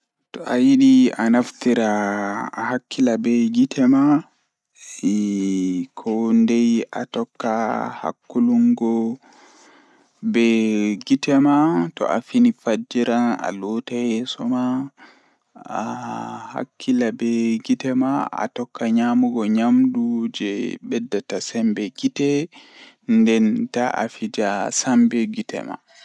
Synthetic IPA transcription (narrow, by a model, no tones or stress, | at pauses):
tɔʔajiɗianaftiɾaː | hakʰːilabɛɡitʰɛma | ɛ | kʰɔndɛja̰tɔkːaha̰kːuluŋɡɔ | bɛɡitɛmatɔ̰ʔa̰finifad͡ʒiɾana̰lɔtajɛsɔma | aha̰kʰːilabɛɡitɛmaa̰tɔkːaɲamuɡɔɲamɗud͡ʒɛɓɛdːatasɛmbɛɡitɛ | ndɛnta̰ʔa̰fid͡ʒasambɛɡitɛ̰ma̰